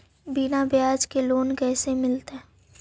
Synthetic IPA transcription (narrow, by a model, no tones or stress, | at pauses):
binabjaːd͡ʒkeloːnkɛːsemɪlt̪ɦɛ